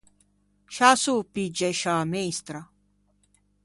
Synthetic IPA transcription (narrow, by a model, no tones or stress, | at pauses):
ʃasupid͡ʒɛʃaːmejst̪ɾa